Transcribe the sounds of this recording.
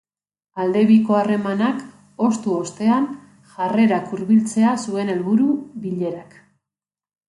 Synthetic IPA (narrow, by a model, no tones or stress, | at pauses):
ald̪e̞βiko̞are̞manak | o̞st̪uost̪e̞an | ʝare̞ɾakuɾβilt͡se̞asue̞ne̞lβuɾuβiʎe̞ɾak